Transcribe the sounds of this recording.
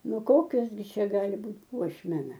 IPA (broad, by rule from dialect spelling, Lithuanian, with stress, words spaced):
ˈnʊ ˈkoːkʲoːs ɡʲɪ ˈt͡ʃʲɛ ˈɡɑːlʲɪ ˈbuːtʲ ˈpuɔʃʲmʲɛnɐ